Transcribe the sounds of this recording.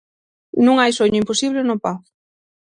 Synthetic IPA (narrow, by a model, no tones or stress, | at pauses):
nũŋajsoɲʊimposiβlenʊpaw